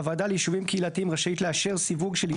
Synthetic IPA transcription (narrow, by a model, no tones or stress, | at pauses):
avaːdaljiʃuvimkeilat̪iimʁaʃait̪leaʃe̞ʁsivuɡʃel